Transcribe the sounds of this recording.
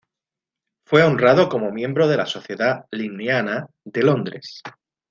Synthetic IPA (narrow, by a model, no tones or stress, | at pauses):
fwe̞o̞nrað̞o̞ko̞mo̞mjẽ̞mbɾo̞ð̞e̞laso̞θje̞ðalineana | ðe̞lo̞nd̪ɾe̞̰s